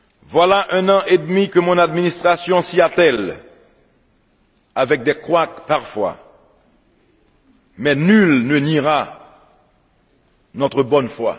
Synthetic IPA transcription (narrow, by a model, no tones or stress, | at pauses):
vwalaʔɛ̃nɑ̃ʔed̪mikəmɔ̃nad̪minist̪χasjɔ̃siat̪ɛl | avɛk̚d̪ɛkχwakpaʁfwa̰ | mɛnylnəniʁa | nɔt̪χəbɔnfwa̰